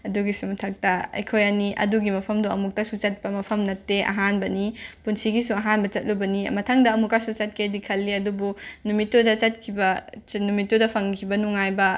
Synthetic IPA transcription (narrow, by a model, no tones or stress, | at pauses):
ɐduɡisumɐtʰɐk̚tɐḛjkʰojɐniʔɐ̰duɡimɐpʰɐmduɐmuk̚tɐsut͡ʃɐt̚pɐmɐpʰɐmnɐtːeʔɐ̰ɦanbɐnipunsiɡisuɐɦanbɐt͡ʃɐt̚lubɐnḭmɐtʰaŋdɐːmukasut͡ʃɐt̚kʰedikʰɐlːiɐdubunumitːudɐt͡ʃɐt̚kʰibɐnumitːodɐpʰɐŋkʰibɐnuŋajbɐ